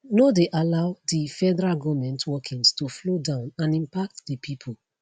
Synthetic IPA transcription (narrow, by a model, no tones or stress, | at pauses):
nodeʔalaʊdifɛdɛɹaɡɔmɛ̃ntʰwɔkʰĩŋstuflodãʊ̃nãnĩmpak̚tdipʰipʰu